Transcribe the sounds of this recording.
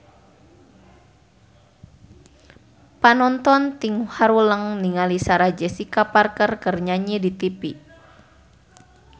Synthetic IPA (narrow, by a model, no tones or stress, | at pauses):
panɔnt̪ɔnt̪iŋhaɾuləŋniŋalisaɾad͡ʒɛsikaparkərkərɲaɲidit̪ipi